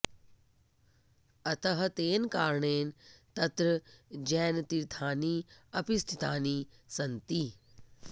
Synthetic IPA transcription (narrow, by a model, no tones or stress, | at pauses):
ɐt̪ɐɦɐ̆t̪eːnkaːɾɳeːnt̪ɐt̪ɾəd͡ʑɛːnt̪iɾt̪ʰaːniːɐpɪst̪ʰit̪aːniːsɐnt̪iː